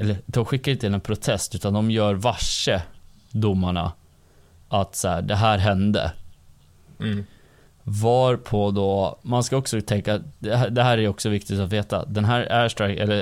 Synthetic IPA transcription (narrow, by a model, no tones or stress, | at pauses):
ɛlːəd̪ɔmɧɪkːaɾɪnt̪əɪnɛnpʰɾʊt̪ʰɛst̪ʉ̟ːt̪and̪ɔmjœːɾvaʂːə | d̪ʊmːaɳa̰ | ʔat̪saæːɖɛɦæːɾɦɛnd̪ə̰ | vɑːɾpʰɔd̪ɔmanskaɔksɔt̪ʰɛŋkad̪ɛɦæd̪ɛɦæːɾæjɔksɔvɪkt̪ɪt̪at̪veːt̪a̰d̪ɛnɦæːɾæʂʈɾakɛ̰lːə